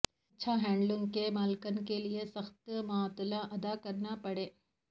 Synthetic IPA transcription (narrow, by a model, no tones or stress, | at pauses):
ɐtːʃʰaɦɛ̃ːɳɖlʊ̃ŋɡkemaːlkənkeliesɐxt̪maːt̪laʔɐd̪akɐɾnapɐɽeː